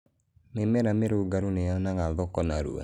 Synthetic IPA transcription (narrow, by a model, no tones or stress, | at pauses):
memɛɾameɾoɡaɾuneanaŋaðɔkɔnaɾṵa̰